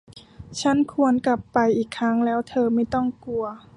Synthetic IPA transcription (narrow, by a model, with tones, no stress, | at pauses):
t͡ɕʰa˦˥˨nkʰu˧ənka˨˩pːa˧jʔiː˨˩kʰːɾa˦˥ŋlɛː˦˥wt̪ʰɤː˧ma˥˩jt̪ɔ˥˩ŋku˧ɐ